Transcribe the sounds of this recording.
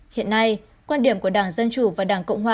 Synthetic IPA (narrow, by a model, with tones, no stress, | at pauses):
hḭ˧˨ənːa˧j | kwaː˧nɗi˨˩əmku˧˩əɗaː˧˩ŋzə˧nt͡ɕu˧˩vaː˨˩ɗaː˧˩ŋkə̰˧˨wŋ͡mɦwaː˨˩